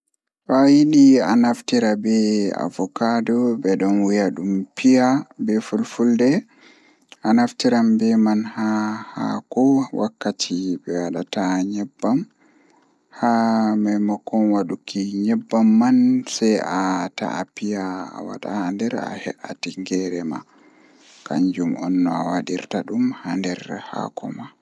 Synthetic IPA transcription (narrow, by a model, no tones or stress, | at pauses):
wajinianaftiɾabɛa̰vɔkadɔbɛɗɔnwijaɗumpijabɛfulfuldɛ | anaftiɾambɛmanhaha̰kɔwʔakːatʰibɛwaɗataɲɛbːam | hamamakːɔnwaɗukiɲɛbːamːansɛjata̰ːpija̰ːwa̰ɗa̰handɛɾa̰hɛʔatiŋɡɛɾɛma̰ | kaɲd͡ʒumɔnːɔawaɗiɾtaɗumhandɛɾha̰kʰɔ̰ma